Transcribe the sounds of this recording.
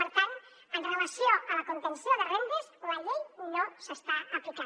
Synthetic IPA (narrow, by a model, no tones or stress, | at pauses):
pəɾt̪an | ənrələsioʔələkunt̪ənsjoðərembizləʎejmiʎosəst̪aəplika